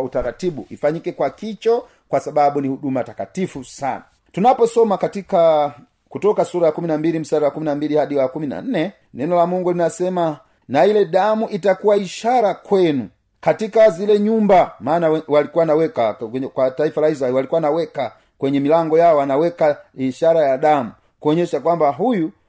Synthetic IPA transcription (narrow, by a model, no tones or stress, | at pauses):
utaɾatiɓṵʔifaɲikɛkwakit͡ʃɔ | kwasaɓaɓunihuɗumatakatifusa̰na | tunapɔsɔmakatika | kutɔkasuɾajakuminambilim̩saɾawakuminambilihaɗiwakumina̰n̩nɛ | nɛnɔlamuŋɡulinasɛma | nailɛɗamuʔitakuwaiʃaɾakwɛnu | katikazilɛɲumbamaːnawɛwalikuwanawɛkakwataifalaizaɛlwalikuwanawɛka | kwɛɲɛmilaŋɡɔjaɔanawɛkaiʃaɾajaɗamu | kuɔɲɛʃakwambaɦuju